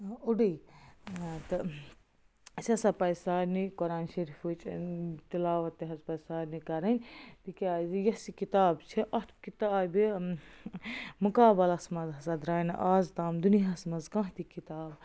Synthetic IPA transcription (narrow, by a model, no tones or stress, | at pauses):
uɖɐj | t̪ɨ | sɐsɐpɐjsaːnikɔɾaːnʃɐɾifut͡ʃt̪ilaːʋɐt̪ːiɦɐzpɐjsaːɾnikɐɾɐnʲt̪ikʲazijɐsikit̪aːbt͡ʃʰiʔɐt̪ʰkit̪aːbi | mukaːbɐlɐsmɐzɐsɐd̪ɾaːn̰ʔaːzt̪aːmd̪uniɦasmɐzkɐ̃ːɦt̪ikit̪aːb